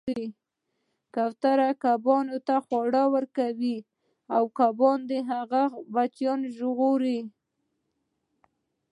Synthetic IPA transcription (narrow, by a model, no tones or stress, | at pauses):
i | kawt̪aɾakabɑnot̪axwaɽawəɾkawi | awkabɑnd̪eɦaɣabat͡ʃjɑnʒʊɣoɾi